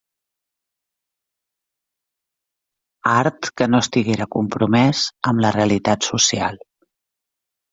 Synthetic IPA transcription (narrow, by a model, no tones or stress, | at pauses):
aɾt̪kənoəst̪iɣeɾəkumpɾumɛzəmləreəlit̪at̪susia̰lˠ